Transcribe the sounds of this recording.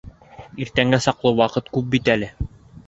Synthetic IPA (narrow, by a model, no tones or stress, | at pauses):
iɾt̪æŋɡæsɑqlˠɤwɑqɤt̪kʉp̚bit̪ælɘ